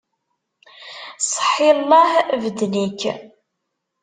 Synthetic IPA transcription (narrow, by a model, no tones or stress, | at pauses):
sˤə̥ħilˤːɑhvəd̪nikː